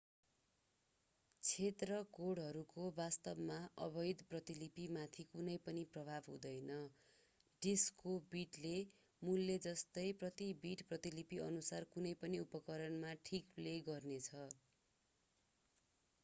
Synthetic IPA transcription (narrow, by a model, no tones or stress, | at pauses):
t͡sʰet̪rʌkoɽɦʌɾukobast̪ʌbmaʔʌ̰bʌjd̪prʌt̪ilipimat̪ʰikunʌjpʌniprʌbʱabɦṵ̃d̪ʌjnʌ | ɖiskobiʈle | mulːed͡zʌst̪ʌjprʌt̪ibiʈprʌt̪ilipiʌ̰nusarkunʌjpʌniupʌkʌɾʌnmaʈʰikpleɡʌrnet͡sʰʌ